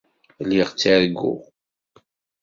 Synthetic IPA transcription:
lːiʁt͡sːiɾɡːʊ̰ʁ

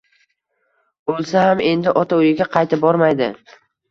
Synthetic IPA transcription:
bolˠsahame̞nd̪ɪʔɒt̪ʰaʊjɪɡʲaqʰɑjt̪ɪb̚bɒɾmajd̪ɪ

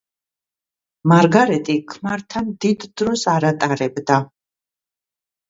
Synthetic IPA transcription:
maɾɡaɾɛt̪ʼikʰmaɾt̪ʰand̪id̪d̪ɾɔsaɾat̪ʼaɾɛbd̪a

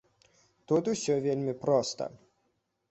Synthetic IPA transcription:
t̪ut̪usʲɔvʲelʲmʲipɾɔst̪ɐ̰

